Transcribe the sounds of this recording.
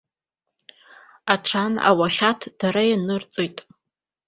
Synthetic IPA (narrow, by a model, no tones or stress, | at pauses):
aʈ͡ʂʰana̰waχʲatʰd̥aɾajanɨrt͡sʼojtʼ